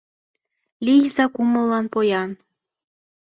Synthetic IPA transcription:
lʲijzɑkuməlːɑnpojɑn

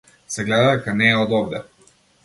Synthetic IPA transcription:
sɛɡlɛd̪ad̪ɛkanɛːɔd̪ɔbd̪ɛ

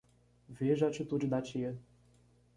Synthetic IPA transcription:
veʒɐat͡ʃit̪ud͡ʒɪd̪at͡ʃiɐ

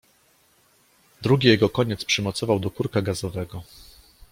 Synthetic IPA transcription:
d̪ɾuɡʲijɛɡɔkɔɲɛt̪spʂɘmɔt̪sɔvawd̪ɔkuɾkaɡazɔvɛɡɔ

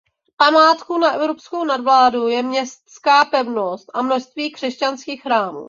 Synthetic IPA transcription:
pamaːt̪kunaʔɛvɾopskownadvlaːdujɛmɲɛst̪skaːpɛvno̞st̪ʔamnoʃst̪viːkr̝̥ɛscanskiːxxɾaːmṵː

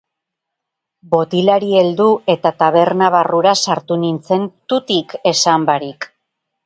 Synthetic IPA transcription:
bo̞t̪ilaɾie̞ld̪ue̞t̪at̪aβe̞ɾnaβaruɾasaɾt̪unint͡se̞nt̪ut̪ike̞sambaɾik

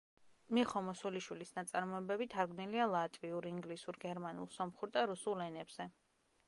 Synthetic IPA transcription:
miχɔmɔsuliʃwilisnat̪sʼaɾmɔɛbɛbit̪ʰaɾɡnilialˠat̪ʼviuɾiŋɡlisuɾɡɛɾmanṵlˠsɔmχuɾd̪aɾusulˠɛnɛbz̥ɛ

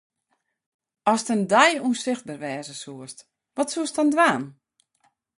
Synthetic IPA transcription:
ɔstəndɛjuənsɪxt̚barʋɛːzəsuəst | ʋɔtsuəstɔndwaːn

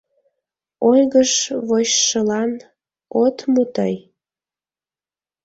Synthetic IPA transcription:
ojɣəʃβoɕʃəlɑn | ot̪mut̪əj

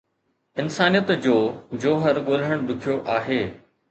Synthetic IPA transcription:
ɪnsaːnijət̪d͡ʑoːd͡ʑoːɦəɾɠoːl̤əɽ̃ɗ̪ʊkʰijoʔaːɦeː

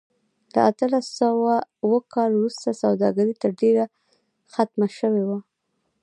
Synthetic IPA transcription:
la̰at̪əlasawawəkɑlwɾust̪asawd̪ɑɡaɾit̪əɾɖeɾa | xat̪maʃəwewa

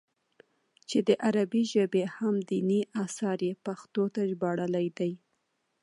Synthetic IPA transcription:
t͡ʃed̪əʔaɾabiʒəbehamd̪iniʔasɑɾepaxt̪ot̪aʒbɑɽəlajd̪aj

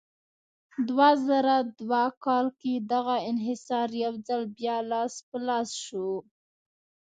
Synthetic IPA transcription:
d̪wazaɾad̪wakɑlked̪aɣaɪnɦɪsɑɾjawzalbjɑlɑspəlɑsʃu

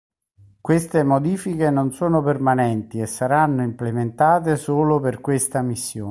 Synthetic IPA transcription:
kwest̪emod̪iːfikenonsoːnopermanɛnt̪iesːaɾanːoimplement̪aːt̪̬esoːloperkwest̪amisːjoː

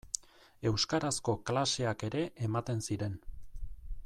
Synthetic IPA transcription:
e̞wskaɾasko̞klase̞ake̞ɾe̞ʔemat̪e̞nsiɾe̞n

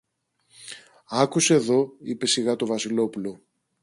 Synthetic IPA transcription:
ɐkuseeðo̞ipe̞siɣɐt̪o̞vɐsilo̞pulo̞

